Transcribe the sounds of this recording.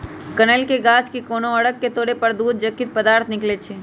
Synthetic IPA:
kɐnelkeɡaːt͡ʃkikoːnoɐɽəkːet̪oːɽepɐɾd̪uːd̪̚d͡ʒɐkːit̪̚pɐd̪aːɾt̪ʰnɪklet͡ʃʰeː

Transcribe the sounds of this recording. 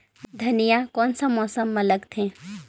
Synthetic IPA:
d̪ʱɐnijakɔːnsɐmːɔːsəmːɐləɡt̪ʰẽː

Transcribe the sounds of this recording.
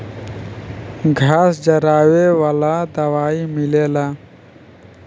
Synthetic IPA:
ɡʱaːsd͡ʒəɾaːwewaːlaːd̪əwaːimileːlaː

